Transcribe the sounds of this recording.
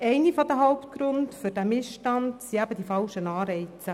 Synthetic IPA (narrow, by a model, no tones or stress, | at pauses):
ɛɪnifɔd̪əɦaʊpt̪̚ɡ̥ɾʊndfɵɾd̥æmɪsʃtɑndsiæb̥ədifɑlʃənɑːɾɛɪt͡sə